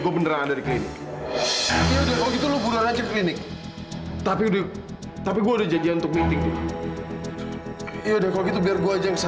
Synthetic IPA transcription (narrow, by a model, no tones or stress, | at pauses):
ɡuabənəɾaŋadaɾiklinɪk̚ | ijaudahkalɔkit̪ulobulaŋat͡ʃɛklinɪk̚ | t̪apiuda | t̪apiɡuaudahd͡ʒad͡ʒianunt̪ʊk̚mint̪ɪŋ̚di | jaudahkalokit̪̬ubiarɡuaːd͡ʒaŋkəsa